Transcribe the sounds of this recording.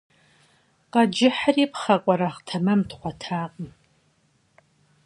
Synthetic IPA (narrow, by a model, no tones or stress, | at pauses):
qɐd͡ʒɪħariːpχɐkʷʼɔɾaχtʰɐmɐmtʰχʷatʰaːqʼəm